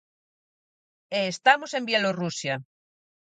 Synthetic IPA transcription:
eːst̪amosembjelorusja

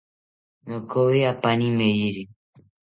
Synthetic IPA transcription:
nokowiapanĩmejiɾi

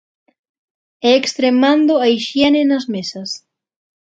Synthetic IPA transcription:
ɛekst̪ɾemãnd̪oaiʃjɛnenɐzmesɐs

